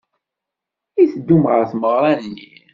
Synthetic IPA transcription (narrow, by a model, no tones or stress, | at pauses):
iθəd̪ːumʁəθməʁɾˤɑnnːḭ